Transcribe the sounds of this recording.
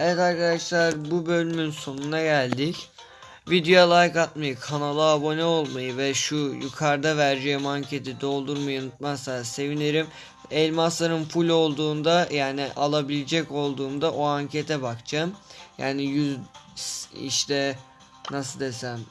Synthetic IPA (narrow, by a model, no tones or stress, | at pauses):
ɛvɛt̪aɾkad̪aʃlˠaɾbubø̞lʲymynso̞nunaɟælʲd̪ic | vid̪eolˠajkat̪majɯkʰanalˠɯabo̞nɛo̞lˠmajɯvɛʃujukʰaɾd̪avæɾd͡ʒejimaɲcʰe̞t̪ʰid̪o̞lˠd̪uɾmajɯunut̪̚masase̞vineɾim | ɛlʲmaslˠaɾɯnpʰulʲo̞lˠd̪uːnd̪ajaːniʔalˠabilʲed͡ʒɛco̞lˠd̪uːmd̪aʔoaɲcʰe̞t̪ʰɛbakt͡ʃʰamjaːnijyz | ḭʃt̪ʰɛ | nasɯd̪e̞sæn